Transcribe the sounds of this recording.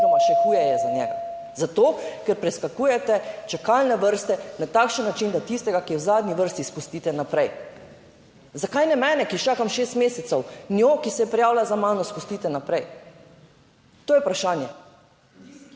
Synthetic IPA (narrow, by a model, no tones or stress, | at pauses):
nɔmaʃɛkuːjɛjɛzanʲjɛːɡa | zat̪okɛɾpɾɛskakuːjɛt̪ɛt͡ʃakalnɛʋəɾst̪ɛnat̪aːkʃənːat͡ʃind̪at̪ist̪ɛɡakiwzaːd̪niʋəɾst̪ispust̪iːt̪ɛnapɾɛj | zakajnɛmɛːnɛkit͡ʃaːkamʃeːst̪meːsɛt̪sɔwniokisɛjɛpɾɛjaːwlazamaːnɔspust̪iːt̪ɛnapɾɛj | t̪oːjɛupɾaʃaːnjɛ